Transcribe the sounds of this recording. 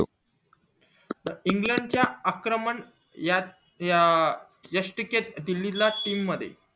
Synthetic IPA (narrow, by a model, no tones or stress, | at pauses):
iŋɡləɳɖt͡ɕjaakɾəməɳ | ja | jəʂʈiket̪̚d̪ilːilaʈiːmːəd̪ʱːjḛ